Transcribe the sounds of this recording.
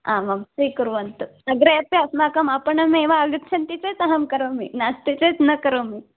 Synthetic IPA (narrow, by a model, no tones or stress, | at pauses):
a̰mɐmsikuɾʋɐnt̪usɐɡɾejɐpjasmakɐmapəɳɐmeʋaːɡət̪t͡ʃʰɐnt̪it͡set͡sɐɦɐmkɐɾomḭnast̪it͡set͡snɐkəɾomi